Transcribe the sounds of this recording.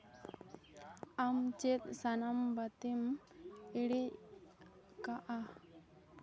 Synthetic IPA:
amt͡ʃet̪̚sanambat̪im | iɽi | kaʔa

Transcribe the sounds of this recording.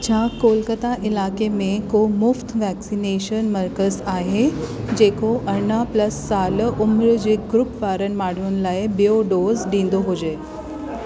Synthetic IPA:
t͡ɕʰaːkoːlkət̪aʔɪlaːkemẽkomʊft̪ʰʋɛːksineːʃənmɐɾkəzaːɦed͡ʑeːkoʔɐɳaplɐsːaːlʊmɪɾd͡ʑeːɡɾʊpʋaːɾənɪ̆maːɽ̤inɪ̆laːɪbijoɖoːzɖĩːn̆d̪oɦʊd͡ʑeː

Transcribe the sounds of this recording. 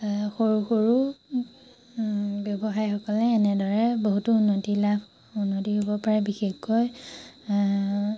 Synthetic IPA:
xoɹuxoɹu | bjɔbɔxajxɔkɔlɛːnɛdɔɹɛboɦutuunːotilabʱ | unːotiɦobɔpaɹɛbixexkɔj

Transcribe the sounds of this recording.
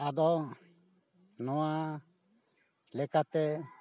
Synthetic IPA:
ad̪ɔ | nɔwa | lɛkat̪ɛ

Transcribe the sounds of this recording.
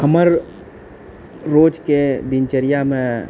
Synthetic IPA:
kəməɾ | oːd͡ʒked̪ɪnt͡ʃəɾijamẽ

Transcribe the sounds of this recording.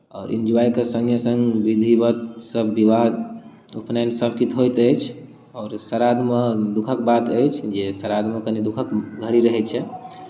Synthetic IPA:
ɔːɾḭnd͡ʒuajkesə̃ŋɡʱjəsə̃ŋɡbid̪ʱibət̪səbːiʋaɦd̪ | upnajnsəbʱkit̪ɦojt̪əjt͡ʃʰ | ɔːɾsəɾad̪məd̪ukʰək̚bat̪əjt͡ʃʰd͡ʒesəɾad̪məkənid̪ukʰəkɡʱəɾiɾəɦɛt͡ʃʰɛ

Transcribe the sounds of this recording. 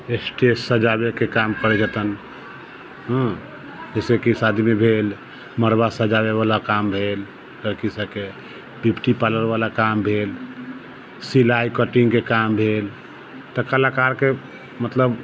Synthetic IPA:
esʈesːəd͡ʒabekekamkəɾɛd͡ʒət̪ən | ɦə̃ | d͡ʒəsekisad̪ʱimebʱel | məɾbasəd͡ʒaβeβalakambʱel | kəɾkisəke | bipʈipaləɾbalakambʱel | silajkəʈiŋɡkekambʱel | t̪ɔkəlakaɾke | mət̪ləb

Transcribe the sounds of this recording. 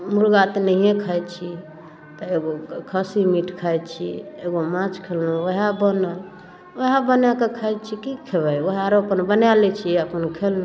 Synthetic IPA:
muɾɡat̪nəɦiẽkʰajt͡ʃʰi | t̪ɔeɡokʰəsimiʈkʰaj̪t͡ʃʰḭeɡomãt͡ʃkʰelnoəɦabənəl | əɦabənakekʰajt͡ʃʰikikʰebəjəɦaɾopənbənjalɛt͡ʃʰiəpənkʰeln

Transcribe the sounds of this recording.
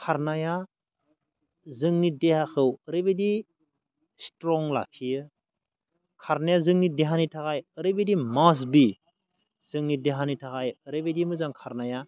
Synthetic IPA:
kʰaɾnaja | zɯŋnidehakʰɯwəɾebedi | stɾɔŋla̰kʰijɯ | kʰaɾnajazɯŋnideɦanitʰakajəɾɯbedimas̬bi | z̥ɯŋnideɦanitʰakajəɾebedimɯzaŋkʰaɾnaja

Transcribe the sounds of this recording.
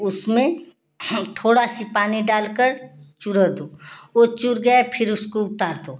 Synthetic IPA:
ʊsmẽ | t̪ʰoːɽasipaːniɖaːlkəɾt͡ʃʊɾəd̪oːot͡ʃʊɾɡəepʰɪɾʊskoʊt̪aːɾd̪oː

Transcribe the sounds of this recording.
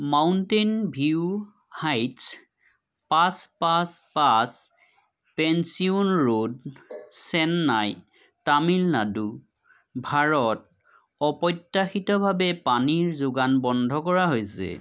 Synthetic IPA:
mawntenbʱiu | hajts | paspaspas | pɛnsiunɹodsɛnːaj | tamilnadu | bʱaɹɔt̚ | ɔpɔjtːaxitɔbʱabɛpaniɹzʊɡanbɔndʱɔkɔɹaɦojsɛ̰

